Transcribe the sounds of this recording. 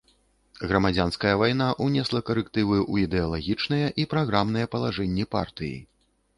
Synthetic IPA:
ɣɾɐmad͡zʲanskɐjɐvajnaʔunʲɛslˠɐkɐɾɛkt̪ɨvɨʔuid̪ɛalˠaɣʲit͡ʂnɐjɛʔipɾaɣɾamn̪ɐjɛpɐlˠaʐɛnʲːipa̰rt̪ɨjḭ

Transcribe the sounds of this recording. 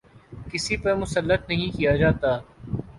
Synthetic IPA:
kɪsipɐɾmʊsəlːət̪nɐɦĩkijad͡ʒaːt̪aː

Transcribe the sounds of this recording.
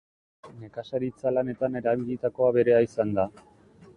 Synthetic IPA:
ne̞kasaɾit͡salane̞t̪ane̞ɾaβiʎit̪ako̞aβe̞ɾe̞aisand̪a

